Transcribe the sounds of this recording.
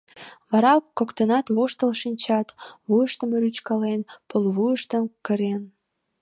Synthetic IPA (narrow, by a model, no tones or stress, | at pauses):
βɑɾɑkːokt̪ənɑt̪βoʃt̪əlʃinʲt͡ɕɑt̪βuəʃt̪əməɾyt͡ɕkɑlenpəlβujəʃt̪əmkəɾen